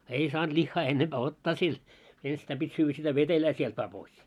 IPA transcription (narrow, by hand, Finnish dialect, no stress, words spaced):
ei sɑːnt lihːɑː enːemb̥æː otːɑː sil enstæim b̥itʲ syːʋːæ sitæ ʋetelæː sielt ʋɑː pois